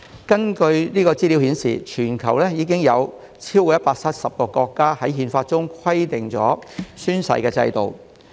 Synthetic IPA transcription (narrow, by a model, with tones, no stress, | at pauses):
kɐ˥nkɵ˧ɥniː˥kɔː˧t͡siː˥li˨˥whiː˨˥nsḭː˨˩t͡ʃʰyː˨˩nkʰɐ˨˩wlɛː˥jiː˨˧k̬ɪ˥ŋjɐ˨˧w | t͡sʰiː˥wkɔ˧˦jɐ˥t̚paː˧k̚sʰɐ˥t̚sɐ˨p̚kɔː˧kɔː˧kːaː˥hɐ˨˥jɦiː˨˧nfaː˧t̚t͡ʃʊ˥ŋkʰɐ˥jt̪ɪ˨ŋt͡sɔ̰ː˨˥syː˥nsɐ̰˧jkɛː˧t͡sɐ̰˧jt̪o˨w